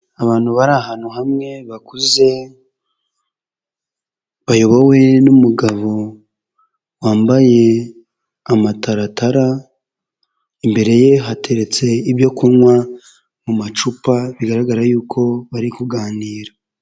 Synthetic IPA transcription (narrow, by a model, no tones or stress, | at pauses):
aβaːn̥huβaɾahanhuhamŋe̞βakuze̞ | βajo̞βowe̞numuɡaβo̞ | waːmbaje̞ | amataɾatʰaɾa | imbe̞ɾe̞je̞ɦatʰe̞ɾe̞t͡se̞iβjo̞kunŋwa | mumat͡ʃupaβiɡaɾaɡaɾajuːkʰo̞βaɾikuɡaːniːɾa